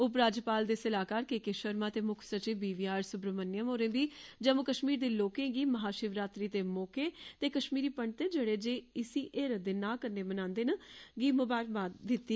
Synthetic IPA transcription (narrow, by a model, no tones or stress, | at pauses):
ʊp̬ɾaːd͡ʒpaːld̪esəlaːkaːɾkeːkeʃəɾmaːt̪eːmʊkʰsət͡ʃibiːʋiːaːɾsʊpɾəmənːjəmoːɾẽːʋiːd͡ʒəmokəʃmiːɾd̪eːloːkẽːɡiːməɦaːʃɪʋɾaːt̪ɾiːt̪eːmoːkeːt̪eːkəʃmiːɾiːpəɳɖt̪eːd͡ʒeːɽeːd͡ʒeːɪsiːʔeːɾəd̪eːnaːkəɾneːmənãːnd̪eːnəɡiːmʊbaːɾbaːd̪ɪt̪ːiː